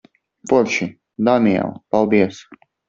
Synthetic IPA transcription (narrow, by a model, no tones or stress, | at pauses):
pɔɾʃi | d̪aniɛ̰lˠpalˠd̪iɛs